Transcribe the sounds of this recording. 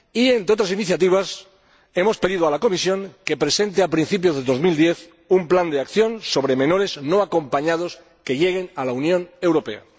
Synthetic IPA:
ie̞nt̪ɾeo̞t̪ɾasiniθjat̪iβ̞as | e̞mo̞spe̞ðiðoalako̞misjo̞ŋkepɾe̞se̞nt̪eapɾin̟θip̬jo̞zðe̞ðo̞zmild̪je̞θ | umpland̪eakθjõ̞nso̞β̞ɾe̞mẽ̞no̞ɾe̞sno̞ako̞mpaɲaðo̞s | ke̞ʝe̞ɣ̞e̞nalaunjõ̞ne̞wɾo̞pe̞̰a̰

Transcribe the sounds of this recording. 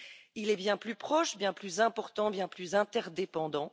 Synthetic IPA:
ilɛbjɛ̃plypχɔʃbjɛ̃plyzɛ̃pɔʁt̪ɑ̃bjɛ̃plyzɛ̃t̪ɛʁd̪epɑ̃d̪ɑ̃

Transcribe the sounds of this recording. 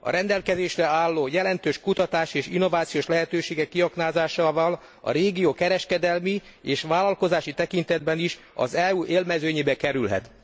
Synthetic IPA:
ɒ̰ɾɛnd̪ɛlkɛzeːʃrɛaːlːoːjɛlɛnt̪øːʃkut̪ɒt̪aːʃieːʃinːo̞vaːt̪sijoːʃlɛɦɛt̪øːʃeːɡɛkːiɒknaːzaːʃaːvɒl | ɒ̰ɾeːɡijoːkɛɾɛʃkɛd̪ɛlmi | eːʃʋaːlɒlko̞zaːʃit̪ɛkint̪ɛd̪̚bɛniʃ | ɒ̰zɛuʔeːlmɛzøːɲeːbɛkɛɾylɦɛ̰t̪

